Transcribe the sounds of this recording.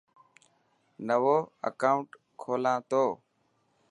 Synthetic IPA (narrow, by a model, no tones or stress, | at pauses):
nəʋoːə̰kaːʊɳʈ | kʰoːlãːt̪oː